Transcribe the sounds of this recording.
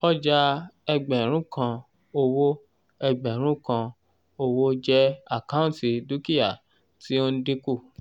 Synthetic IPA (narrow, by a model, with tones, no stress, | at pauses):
ɔ˦d͡ʒa˦ɛ˧ɡ͡bɛ˨ɾ̃ũ˦kã˧ | o˧wo˦ | ɛ˧ɡ͡bɛ˨ɾ̃ũ˦kã˧ | o˧wo˦d͡ʒɛ˦a˦˨kã˦ũ˦ti˧du˦ki˦ja˦˨ | ti˦o˦n̩˦di˦ku˦˨